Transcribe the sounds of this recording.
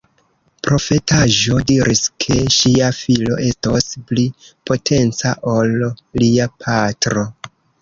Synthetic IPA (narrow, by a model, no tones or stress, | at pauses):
pɾo̞fe̞tʰaʒo̞diɾʔiskʰe̞ʃiafilo̞ʔe̞stosplipo̞tʰe̞nt͡sa̰ʔo̞lːiapʰatɾo̞